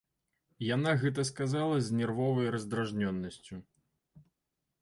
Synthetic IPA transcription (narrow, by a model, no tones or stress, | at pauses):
janaɣɛt̪̬ɐskazalˠɐzʲnʲɛrvɔvɐjɾɐzd̪ɾaʐnʲɔnːɐsʲt͡sʲu